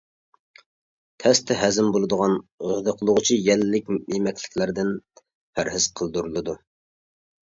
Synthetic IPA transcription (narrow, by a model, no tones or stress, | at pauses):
t̪ʰɛst̪ʰɪɦæzɪmbolˠɨd̪əʁɑnʁəd̪əqʰəlˠʊʁʊt͡ʃʰijɛlːɪk̚ʲemɛkʲlɪ̥kʲlæɾd̪ɪn | pʰæɾɦɪz̥qʰəlˠd̪uɾɨlˠɨd̪u